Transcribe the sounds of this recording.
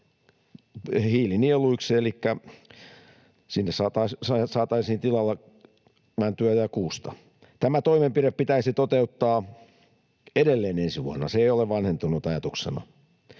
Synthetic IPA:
hiːlinieluikselikːæ | sinːessɑːt̪ɑsɑsɑːt̪ɑisiːnt̪ilɑlːɑ | mænt̪yæjɑkuːst̪ɑ | t̪æmæt̪oimempireppit̪æisit̪ot̪eut̪ːɑː | edelːeːnensiʋuɑnːɑ̰seeioleʋʋɑnhent̪unut̪ɑjɑt̪uksḛnɑ̰

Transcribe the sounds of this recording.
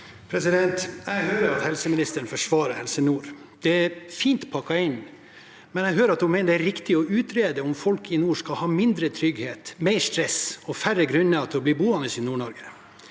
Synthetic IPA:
pʰɾɛsɪd̪ɛnt̪ɛɪhøːɾəɾɑt̪hɛlsəmɪnɪst̪əɳ̩fɔʂʋɑːɾəhɛlsənuːɾ | d̪̥ɛæɾfiːnt̪pʰɑkːɑɪn | mɛnɛɪɦøːɾɑt̪̚dʊmeːnəd̪æɾɪkt̪ɪɔʉːt̪ɾeːd̪əɔmfɔlkʰɪnuːʂkɑlhɑːmɪnd̪ɾət̪ʰɾʏɡheːt̪meɪʂt̪ɾɛsɔfærəɡɾʉnːəɑt̪ʰɪlɔbliːbuːɑnəsɪnuːɳɔɾɡə

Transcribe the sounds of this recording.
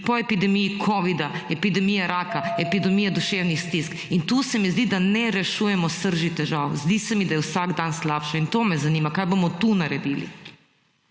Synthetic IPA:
pɔɛpid̪ɛmijikʰɔʋid̪aɛpid̪ɛmijaɾaːkaɛpid̪ɛmijad̪uʃewnixst̪iskint̪usɛmizd̪id̪anɛɾɛʃujɛmɔsəɾʒit̪ɛʒawzd̪isɛmid̪ajɛwsaɡd̪anslaːpʃaint̪oːmɛzanimakajbomɔt̪unaɾɛd̪ḭlḭ

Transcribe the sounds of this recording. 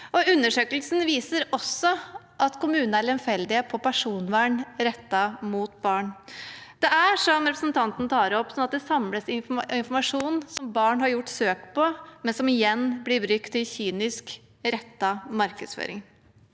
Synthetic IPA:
ʔɔʉnːəʂøːkəlsn̩ʋiːsəɾɔsːɔ | ʔɑt̪kʰʊmʉːnnælɛnfɛld̪ɪəpʰɔpʰæʂuːnʋæːɳɾɛt̪ːɑmuːt̪̚bɑːɳd̪̥ɛæʂɔmɾɛpɾəsnt̪ʰɑnt̪n̩t̪ʰɑːɾɔpːsɔnɑt̪d̪ɛsɑmləsɪfɪnfɔɾmɑʂuːnsɔmbɑːɳɦɑɾjʊʈːsøːkpɔmɛnsɔmɪjɛnːblɪbɾʏkt̪ʰːɪlçyːnɪsk | ɾɛt̪ːɑmɑɾkəd̪sfø̰ːɾɪ̰ŋ

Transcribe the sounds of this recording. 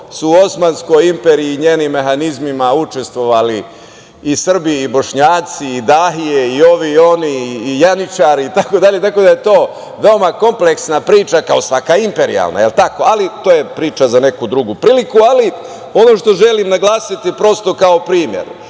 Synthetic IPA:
suːo̞smaːnsko̞jimpeɾiiːɲe̞ːnimːe̞xanizmimaut͡ʃe̞st̪ʋo̞ʋaliː | sr̩biːbo̞ʃɲaːt̪siːd̪aɦijeio̞ʋio̞niːjanit͡ʃaːɾiːt̪ako̞d̪aʎe̞t̪akod̪aje̞t̪o̞ː | ʋe̞o̞mako̞mpleksnapɾiːt͡ʃakao̞sʋakaimpe̞ɾḭja̰lˠna̰jelt̪akoalit̪oːje̞pɾiːt͡ʃazane̞kud̪ɾuɡupɾiːlikuali | o̞no̞ʃt̪o̞ʒe̞limnaɡlˠaːsit̪ipɾo̞st̪o̞kao̞pɾiːmjḛɾ

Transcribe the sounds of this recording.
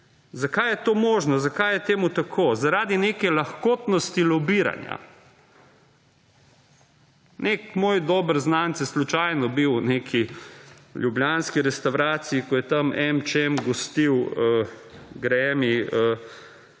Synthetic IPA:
zakajɛt̪oːmoːʒnɔzakajɛt̪eːmut̪akʰoːzaɾaːd̪ineːkɛlaxkoːt̪nɔst̪ilɔbiːɾa̰nja̰ | nekmoːjd̪ɔːbəɾznaːntsɛslut͡ʃajnɔbiwnekʰi | lʲjubljaːnskiɾɛst̪awɾaːt̪siikɔjɛt̪ɐmɛmt͡ʃemɡɔst̪iwəɡɾɛːmiə

